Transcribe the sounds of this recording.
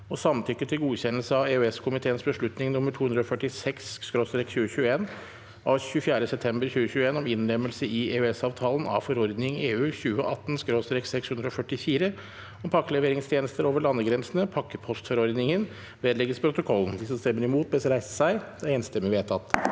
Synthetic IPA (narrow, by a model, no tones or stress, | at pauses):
ɔsɑmnt̪ʰʏkːət̪ʰɪlɡuːçɛnəlsəɑʋeʉɛskʰʊmɪt̪ʰeːənsbəʂɭʉt̪nɪŋnʊmːəʈʰuːʉnd̪ɾəɔfœʈɪsɛksːkɾoːst̪ɾɛkçʉːəɕʉːəeːn | ʔɑʋɕʉfjæːɾəsɛpt̪ʰɛmbəɾçʉːəçʉːəeːnɔmɪnlɛmːəlsəɪeːʉɛsɑːʋt̪ʰɑːlənɑ̰fɔɾɔɾd̪nɪŋeːʉːçʉːəʔɑt̪ːnskɾoːst̪ɾɛksɛkshʉnd̪ɾɔfœʈːɪfiːɾə | ɔmpʰɑkːəlɛʋeːɾɪŋst̪ʰjeːnəst̪əɾoːʋəɭɑnːəɡɾɛnsənəpʰɑkːəpʰɔst̪fɔɾɔɾd̪nɪŋən | ʋeːd̪lɛɡəspʰɾʊt̪ʊkʰɔlːn̩d̪ɪsɔmst̪ɛmːəɾɪmuːt̪̚bɛsɾæɪsə̥sæɪd̪̥ɛeːnst̪ɛməʋeːt̪ʰɑt̪ː